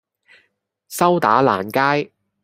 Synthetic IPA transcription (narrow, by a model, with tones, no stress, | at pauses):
sɐ˥wt̪a̰ː˨˥la̰ː˨˩nkaː˥j